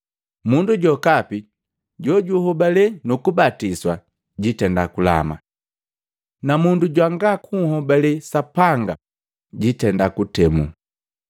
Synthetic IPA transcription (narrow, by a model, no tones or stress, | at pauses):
munduɟɔkapi | ɟɔɟuhɔbalɛnukubatiswa | ɟitɛndakula̰ma̰ | namunduɟwaŋɡakʰuŋhɔbalɛsapaŋɡa̰ | ɟitɛndakutɛmṵ